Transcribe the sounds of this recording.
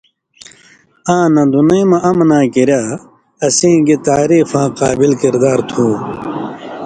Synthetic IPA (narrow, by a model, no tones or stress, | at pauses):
ãːnɐ̃d̪unɐjmɐ̃ʔɐmnãːkiɾjaː | ɐsĩːɡit̪aːɾiːfãːqaːbilkiɾd̪aːɾt̪ʰũː